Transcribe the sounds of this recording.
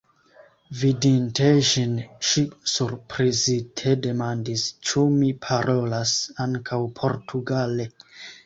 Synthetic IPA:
vidinteʃinʃisuɾpɾizitʰe̞de̞mandist͡ʃumipʰaɾʔo̞lasaŋkʰawpʰo̞ɾtʰuɡale̞

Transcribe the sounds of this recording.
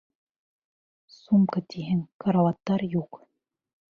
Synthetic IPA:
sumkɤt̪iɦɘŋkaɾavɑt̪ːɑɾjuq

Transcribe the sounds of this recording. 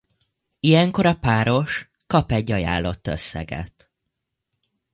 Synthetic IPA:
ijɛŋko̞ɾɒpaːɾo̞ʃ | kɒpɛɟːɒja̰ːlːo̞t̪ːøsːɛ̰ɡɛ̰t̪

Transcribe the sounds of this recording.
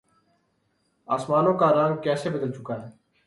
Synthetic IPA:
aːsmaːnõːkaːɾãːŋɡkɛːseːbəd̪əlt͡ʃʊkaːɦɛː

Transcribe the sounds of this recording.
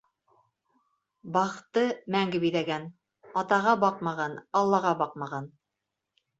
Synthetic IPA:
bɑχt̪ɤmæŋɡɘbiðæɡæn | ɑt̪ɑʁɑbɑqmɑʁɑnɑlˠːɑʁɑbɑq̚mɑʁɑn

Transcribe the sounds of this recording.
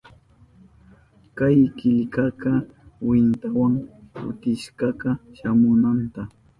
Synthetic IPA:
kajkɪʎkakɑwɪnt̪awaŋkʊ̰t̪ɪʃɢɑqɑʃamʊnant̪a

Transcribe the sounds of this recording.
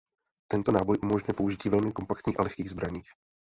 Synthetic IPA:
t̪ɛnt̪o̞naːbo̞jʔumo̞ʒɲjɛpouʒɪciːvɛlmɪko̞mpakt̪ɲiːxʔa̰lɛxkiːɣzbɾaɲiːx

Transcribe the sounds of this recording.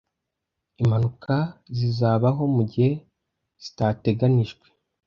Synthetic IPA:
imhanukʰazizaːβaɦo̞muɟihe̞ | z̥i̥tate̞ɡaniʒɡwe̞̥

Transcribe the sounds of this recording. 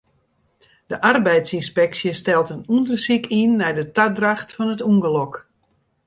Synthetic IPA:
d̥əʔarbɛjtsinspɛksjəstɛlˠtənundərsikinːɛjdətadraxtfɔnətuŋɡəlɔk

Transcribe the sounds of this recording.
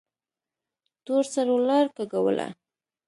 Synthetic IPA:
t̪oɾsaɾolɑɾkaɡawə̰lʔa̰

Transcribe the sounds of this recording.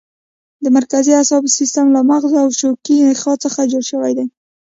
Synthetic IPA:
d̪əmaɾkaziasɑbsist̪əmlamaɣzoawʃokixɑt͡səxad͡ʒoɽʃəwajd̪aj

